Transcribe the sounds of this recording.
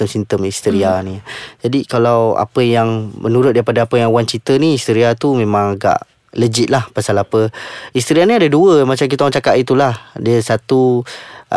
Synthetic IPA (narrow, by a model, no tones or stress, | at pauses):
əmsint̪əmist̪əɾianid͡ʒadikalawa̰pəjaŋmənuɾʊt̪̚daɾipadaapəjaŋuant͡ʃit̪əniist̪əɾiat̪umemãŋaɡa̰ʔ | ləd͡ʒit̪̚lahpasalapəist̪əɾianiadaduəmat͡ʃamk̬it̪aãt͡ʃakaʔit̪ulahdiəsat̪u